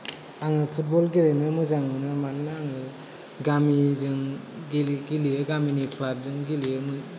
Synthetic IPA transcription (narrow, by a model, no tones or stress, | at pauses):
aŋɯpʰut̚bɔlɡiɾenɯmɯzaŋɯnɯmannɯaŋɯ | ɡamizɯŋɡiɡilijɯɡaminikʰlab̚zɯŋɡilijɯmɯ